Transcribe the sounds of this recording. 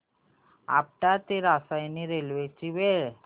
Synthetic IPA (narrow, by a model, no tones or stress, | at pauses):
a̰p̚ʈat̪eɾasajniɾelʋet͡ɕiʋe